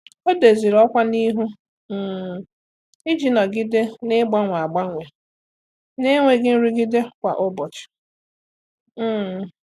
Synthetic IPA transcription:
o˦de˨zi˨ɾɔ˦kʷa˦ni˦ɦu˦˨ | ɪ˦d͡ʒi˨na˨ɡɪ˦de˦nɪ˦ɡ͡ba˦ŋʷa˨a˨ɡ͡ba˦ŋʷe˨ | ne˦ŋʷe˦ɡɪ˦n̩˦ɾi˦ɡɪ˦de˦kʷa̰˨ʔʊ˦bɔ˨t͡ʃɪ̥˨˦˨

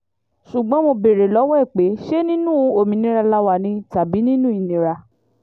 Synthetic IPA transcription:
ʃu˨ɡ͡bɔ̃˨˦mo˧be˨ɾe˨lɔ˨˦wɛ˦˨k͡pe˨˦ʃe˦nĩ˦nũ˦o˨mĩ˨nĩ˧˦ɾa˧la˧wa˧˨nĩ˧ta˨bi˨˦nĩ˦nũ˦i˨˧nĩ˨˧ɾa˧

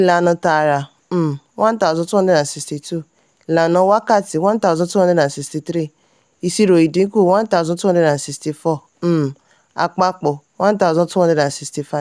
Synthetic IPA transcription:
i˧˨la˨nɔ̃˧ta˧˨ɾa˨˦˨ | wʔã˦n˦ta˨zɔ̃˧tu˦ɔ̃˦de˦ɾã˨si˧sti˧tu˦˨ | i˨la˨nɔ̃˧˦wa˦ka˦˨ti˨wã˦ta˦˨zɔ̃˧˦tu˦ɔ̃˦de˦˧nã˨si˧sti˧tɾi˦˨ | i˧si˧ɾo˨i˨dĩ˨˦ku˦˨˦wã˦n˦ta˦˨zɔ̃˧˦tu˦ɔ̃˦e˧ɾã˨si˧sti˧fɔ˦˨˦ | a̰˧˨k͡pa˧k͡po˨ | wã˦n˦ta˦˨zɔ̃˧tu˦wɔ̃˦e˧˦dã˨n̩˨si˧sti˧fa˦˨

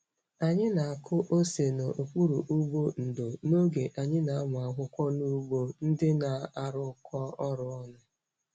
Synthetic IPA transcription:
a˨ɲɪ˦na˨a˨kʰʊ˦ʔo˦se˨no˨ʔo˨kʷu˦ɾu˨ʔu˦ɡ͡bo˦n̩˨do˨no˦ɡe˨ʔa˨ɲɪ˦na˨a˦mʊ˨a˨ɦʷʊ˦kʷɔ˦nu˦ɡ͡bo˦n̩˦dɪ˦na˨a˦ɾʊ˦kɔ˦ɔ˦ɾʊ˨ɔ˦nʊ˦

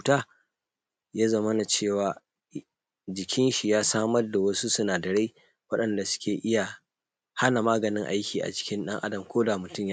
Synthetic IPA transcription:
u˨taː˦ | ja˦zɐ˨mɐ˦na˨t͡ʃeː˦˨waː˨ | d͡ʒɪ˨kʲɪ˦nʃi˨jaː˦saː˦mɐ˦rda˨wɐ˦su˦sʊ˦naː˨dɐ˨ɽe˦ | wɐ˦ɗɐ˨nda˨sʊ̥˦kʲeː˨ʔɪ˦ja˨ | ha˦na˨maː˦ɡɐ˨nɪ˦ŋʔa̰˦jkʲiː˨ʔa̰˨t͡ʃɪ̥˦kʲɪ˦nɗɐ˦ŋʔa̰˦dɐ˨mkʷoː˦da˨mʊ˨tʊ˦mj

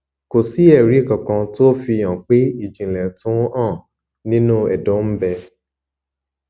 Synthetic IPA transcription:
ko˨si˨˦ɛ˦˨ɾi˨˦˨kã˨kã˧to˦fĩ˧˨ã˨k͡pe˦i˦˨d͡ʒĩ˨lɛ̃˨tũ˨˦ã˦˨ | nĩ˦nũ˦ɛ̰˨dõ˨˦m̩˦bɛ˧

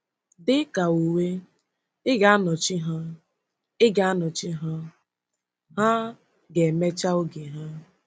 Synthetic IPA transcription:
dɪ˦ka˨u˨we˦ | ɪ˦ɡa˨a˦nɔ˨t͡ʃi˦ɦa˦ | ɪ˦ɡa˨a˦nɔ˨t͡ʃɪ˦ɦa˦ | ɦa˦ | ɡe˨me˦t͡ʃa˦o˦ɡe˨ɦa˦

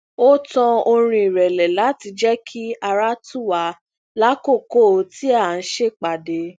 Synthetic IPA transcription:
o˦tɔ̃˧o˧ɾ̃ĩ˧i˨ɾɛ˨lɛ˨la˨˦ti˧d͡ʒɛ˦kʰi˦a˧ɾa˦tu˦˨wa˨˦ | la˦ko˦˨ko˦˨o˧ti˦a˦˨n̩˦ʃe˦˨k͡pa˨de˨˦

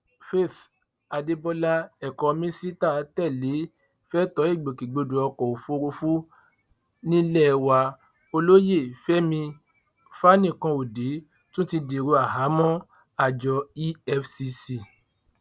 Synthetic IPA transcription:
fe˦˨θ | a˨de˧bɔ˧la˦ɛ˨kɔ̃˨˦mĩ˦si˦ta˦˨˦tɛ˦˨le˨˦ | fɛ˦tɔ˨˦e˦˨ɡ͡bo˨ki˨ɡ͡bo˧du˨ɔ˧kɔ̃˨o˨fo˧ɾo˧fu˦ | nĩ˦lɛ˦˧wa˧ | o˧lo˦je˦˨fɛ˦mĩ˧ | fa˦nĩ˦˨kã˧o˨de˨˦ | tũ˦tĩ˧de˨ɾo˧a˨ɦa˨˦mɔ̃˦ | a˦˨d͡ʒɔ˧i˦ɛ˧fsi˧si˧˨

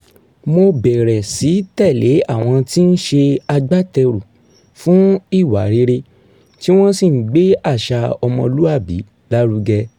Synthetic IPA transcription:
mo˧bɛ˨ɾɛ˨si˨˦tɛ˦˨le˨˦a˦˨w̃ɔ̃˧ti˦n̩˦ʃe˧a˧ɡ͡ba˦tɛ˧ɾu˨ | fũ˨˦i˦˨wa˨˦ɾe˨˧˦ɾe˧ | ti˦w̃ɔ̃˦si˦˨n̩˦ɡ͡be˨˦a˦˨ʃa˧ɔ˧mɔ̃˧lu˦a˦˨bḭ˨˦ | la˦ɾu˦ɡɛ˧

